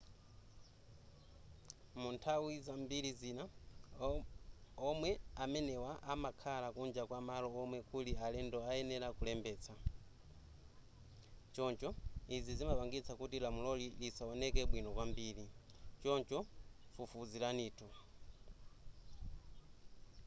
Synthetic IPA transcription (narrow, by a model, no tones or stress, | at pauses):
muntʰawizambiɾizina | ɔmwɛamɛnɛwaʔamakʰalakund͡ʒakwamalɔːmwɛkulialɛndɔajɛnɛɾakulɛmbɛːt͡sʰa | t͡ʃɔnt͡ʃɔizizimapaŋɡit͡sʰakutilamulɔlilisaɔnɛkɛɓwinɔkwambiːɾi | t͡ʃɔnt͡ʃɔfufuzilaniːtʰu